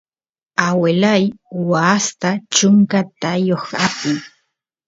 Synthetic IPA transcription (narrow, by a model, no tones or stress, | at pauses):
awelajwast̪at͡ʃʊŋkat̪ajoχapɪŋ